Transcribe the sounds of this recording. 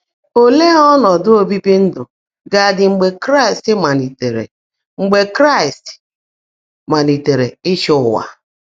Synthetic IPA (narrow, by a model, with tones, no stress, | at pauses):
o˦le˦ɔ˦nɔ˨dʊ˦o˦bi˦pi˦n̩˦dʊ˨ | ɡa˨dɪ˨ŋ͡m̩˨ɡ͡be˨kɾa˦i˨stɪ˦ma˨ni˨te˨ɾḛ˨ | ŋ͡m̩˨ɡ͡be˨kɾa˦i˨st | ma˨ni˨te˨ɾe˨ɪ˦ʃʊ˦˨wa̰˨